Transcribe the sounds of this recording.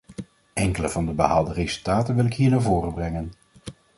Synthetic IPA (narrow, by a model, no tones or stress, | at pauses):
ɛŋkələvɑndəbə̰ɦaːlˠdərezɵlˠtaːtənʋɪlɪkɦiːɹnaːɹvoːrəbrɛŋən